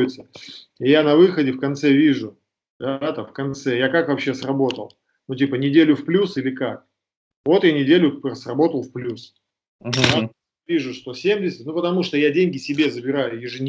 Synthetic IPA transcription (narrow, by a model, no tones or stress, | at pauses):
ɪt̪səɪjanɐvɨxədʲɪfkɐnt̪sɛvʲiʐʊ | d̪at̪afkɐnt̪sɛjakakvɐpɕːe̞srɐbo̞t̪ə̰lˠ | nutʲipənʲɪdʲelʲʊfplʲusilʲɪkak̚ | vo̞t̪janʲɪdʲelʲʊrəsrɐbo̞t̪əlˠfplʲus | d̪a | vʲiʐʊʂt̪o̞sʲemʲdʲɪsʲɪtʲnupət̪ɐmuʂt̪ojadʲenʲɡʲɪsʲɪbʲe̞zəbʲɪɾajʊjɪʐɨnʲ